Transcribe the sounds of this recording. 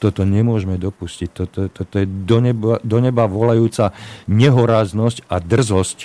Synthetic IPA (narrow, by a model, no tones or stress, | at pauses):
t̪ɔt̪ɔɲɛmʊɔʒmɛd̪ɔpuscic̚ʲt̪ɔt̪ɔt̪ɔt̪ɔjɛd̪ɔɲɛbad̪ɔɲɛbaʋɔlajuːt͡saɲɛɦɔɾaːznɔscad̪r̩zɔsc